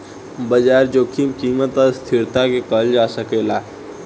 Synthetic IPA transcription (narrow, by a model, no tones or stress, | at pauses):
bəd͡ʒaːɾd͡ʒoːkimkiːmət̪əst̪ʰɪɾt̪akekəld͡ʒaːsəkeːlaː